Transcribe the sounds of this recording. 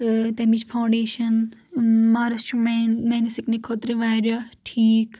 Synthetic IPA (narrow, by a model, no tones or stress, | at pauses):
t̪emit͡ʃpʰawɳɖeːʃɐn | maːɾɐst͡ʃʰummeːnisiknikʰːot̪ɾiʋaːɾjaʈʰiːk